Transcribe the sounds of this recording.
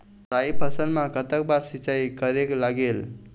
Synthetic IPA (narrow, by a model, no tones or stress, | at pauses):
ɾajpəsənmãkət̪ək̚baɾsit͡ʃajkəɾeklaɡel